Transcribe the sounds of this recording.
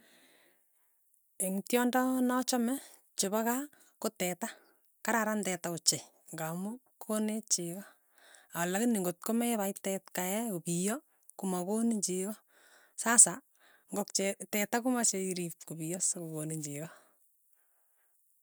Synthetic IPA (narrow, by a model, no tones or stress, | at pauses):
eŋtjɔndɔnɔt͡ʃɔmɛ | t͡ʃeβaka | kotɛta | kaɾaɾandɛtaʊt͡ʃe | ŋɡamʊ | kʰonet͡ʃiɣɔ | alakɪniŋɡot̚komɛβaitɛtkaɛopijɔ | kumakoniɲd͡ʒiɣɔ | sasa | ŋɡɔkt͡ʃɛtɛtakumat͡ʃeiɾip̚kubijɔskokoniɲd͡ʒiɣɔ